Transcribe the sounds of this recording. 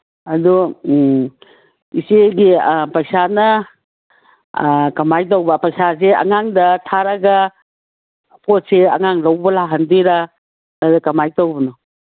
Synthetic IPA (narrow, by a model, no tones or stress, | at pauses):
ɐdu | iseɡipɐjsanɐ | kɐmajtowbɐpɐjsaseɐ̰ŋaŋdɐtʰaɾɐɡɐ | pʰot̚seɐŋaŋlɐwbɐlaɦɐndiɾa | adɐkɐmajtowbɐnɔ